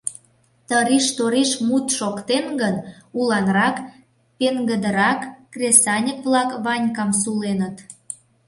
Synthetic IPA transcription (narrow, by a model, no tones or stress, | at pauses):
t̪əɾiʃt̪oɾiʃmut̪ʃokt̪enɡənulɑnrɑk | peŋɡəd̪əɾɑkːrʲesɑnʲəkβlɑkβɑnʲkɑms̬ulenət̪